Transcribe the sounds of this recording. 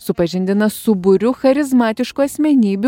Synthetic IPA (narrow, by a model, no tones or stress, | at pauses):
sʊpɐʒʲɪnʲd̪ʲɪnɐsʊbʊɾʲʊxɐɾʲɪzmɑːt̪ʲɪʃkuːɐsʲmʲɛnʲiːbʲ